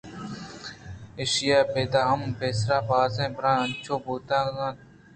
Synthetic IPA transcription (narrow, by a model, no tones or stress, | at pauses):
eːʃɪjaːpeːd̪aːɦəmpeːsɾaːpaːzẽːpəɾãːənt͡ʃʰõːboːt̪ãːkãː